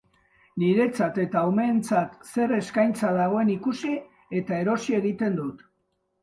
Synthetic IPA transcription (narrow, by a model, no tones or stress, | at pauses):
niɾe̞t͡sat̪e̞t̪aome̞ːnt͡sat̪se̞re̞skajnt͡saðaɣ̞o̞e̞nikusi | e̞t̪ae̞ɾo̞sie̞ɣit̪e̞nd̪ut̪